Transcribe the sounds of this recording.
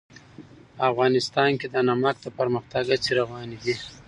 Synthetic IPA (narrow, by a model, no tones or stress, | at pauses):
afɣɑnɪst̪ɑnked̪anamɑk̚d̪əpəɾməxt̪aɡat͡seɾawɑnid̪i